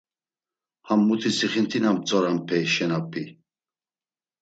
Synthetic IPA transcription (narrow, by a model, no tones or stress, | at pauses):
hamːut̪ʰisiχint̪ʰinamt͡sʼɔɾampʰɛjʃɛnapʰi